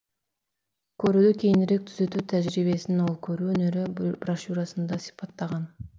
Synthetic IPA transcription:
kʰøɾyd̪ykʲʰejinɪɾek̚t̪ʰyzø̞t̪yːt̪ʰæʒɾiβe̞sinɪno̞lˠkʰø̞ɾyːønø̞ɾybraʃuɾɑsɯnd̪ɑsi̥pɑt̪ːɑʁɑn

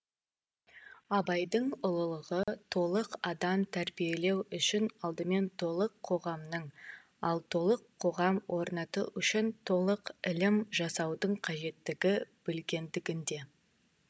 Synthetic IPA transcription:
ɑbɑjd̪əɴʊlˠəlˠəʁət̪ʰo̞lˠəqɑd̪ɑmt̪ʰæɾbije̞le̞wʏʃɪnɑlˠd̪əme̞nt̪ʰo̞lˠəqʰːo̞ʁɑmnəɴ | ɑlˠt̪ʰo̞lˠəqʰːo̞ʁɑmwʔo̞ɾnɑt̪əʔʏʃɪnt̪ʰo̞lˠəqɪlɪmʒɑsɑwd̪əɴqʰɑʒe̞t̪ːɪɡʲɪb̥ɪlɡʲe̞nd̪ɪɡʲɪnd̪e̞

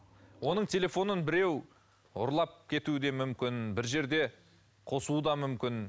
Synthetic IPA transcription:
wo̞nəɴt̪ʲʰe̞lʲe̞fo̞nənbɪɾe̞w | ʊ̰ɾlˠɑp̚kʲʰe̞t̪uɪd̪e̞mʏmkʲɪnbɪɾʒe̞ɾd̪e̞ | qʰo̞sud̪ɑmʏmkʲɪn

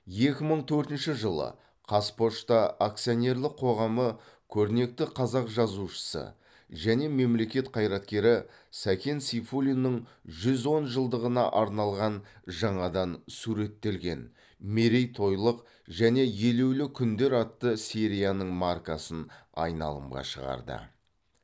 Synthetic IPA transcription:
je̞kʲɪməɴt̪ʰɵɾt̪ɪnʃɪʒəlˠə̰ | qʰɑspo̞ʃt̪ɑak̚t̪sijo̞ne̞rlˠɪqʰːo̞ʁɑmə | kʲʰɵɾne̞k̚t̪ɪqʰɑzɑqʒɑzuʃə̥sə̰ | ʒæne̞me̞mle̞kʲe̞t̪qʰɑjɾɑt̪kʲe̞ɾɪ | sækʲʰensifulʲinːəɴʒʏzo̞nʒəlˠd̪əʁənɑ̰ʔɑɾnɑlˠʁɑnʒɑɴɑd̪ɑnsuɾe̞t̪ːe̞lɡʲe̞̰n | me̞ɾejt̪ʰo̞jlˠəq | ʒæne̞je̞le̞wlɪkʲʰʏnd̪e̞ɾɑt̪ːəsiɾijanəɴmarkasənɑ̰jnɑ̰lˠə̰mʁɑ̰ʃəʁɑ̰ɾd̪ə̰

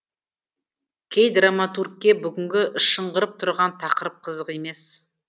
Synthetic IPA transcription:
kʲʰejd̪ramat̪urk̚kʲːe̞bʏɡʲɪŋɡʲɪʔʃːəɴʁəɾəp̚t̪ʰʊɾʁɑnt̪ʰɑqəɾəp̚qʰəzəqe̞me̞s

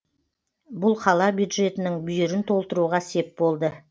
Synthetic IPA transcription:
bʊlˠqʰɑlˠɑbjud̪ʒe̞t̪ɪnɪŋbʏjɪɾɪnt̪ʰo̞lˠt̪əɾuʁɑse̞p̚bo̞lˠd̪ə

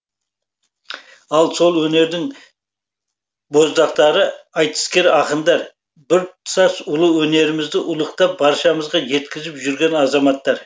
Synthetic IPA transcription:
ɑlˠso̞lˠwɵne̞ɾd̪ɪŋ | bo̞zd̪ɑqt̪ɑɾəɑjt̪ə̥skʲe̞ɾɑqənd̪ɑɾ | bɪɾsɑsʊlˠəwɵne̞ɾɪmɪzd̪ɪʔʊlˠəqt̪ɑp̚bɑɾʃɑməzʁɑʒe̞t̪kʲɪzɪpʒʏɾɡʲe̞nɑzɑmɑt̪ːɑɾ

